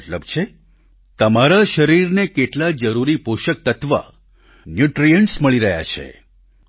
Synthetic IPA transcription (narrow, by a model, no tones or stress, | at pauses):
ʈləbt͡ʃʰe | t̪əmaɾaʃəɾiɾnekeʈlad͡ʒəɾuɾipuʃək̚t̪ət̪ʋa̰ | njuʈɾijəɳʈsməɭiɾəɦja̰t͡ʃʰḛ